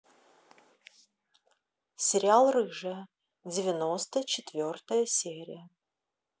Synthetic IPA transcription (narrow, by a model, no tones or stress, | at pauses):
sʲɪɾʲɪalˠrɨʐə | d͡zʲɪvʲɪnost̪ət͡ɕɪt̪vʲort̪əjəsʲeɾʲɪ̰jə